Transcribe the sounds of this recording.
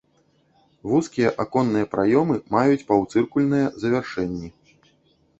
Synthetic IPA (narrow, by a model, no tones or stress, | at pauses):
vuskʲijɛʔakɔnːɨjɐpɾajɔmɨmajut͡sʲpawt̪sɨrkulʲnɨjɛzɐvʲarʂɛnʲːi